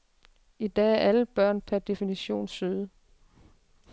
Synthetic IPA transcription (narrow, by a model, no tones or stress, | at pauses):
id̥ɛ̰ːæɐʔæləb̥ɶɐ̰npʰæɐd̥e̝finiɕo̝̰ːnsyðˠə